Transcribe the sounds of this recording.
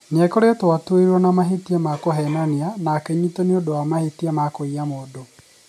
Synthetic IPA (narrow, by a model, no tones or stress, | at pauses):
nɛkoɾeɔtoatweɾɔnamaɦetiɛmakoɦɛnanianakɛɲutoneodoamahetiɛmakoiamoːdo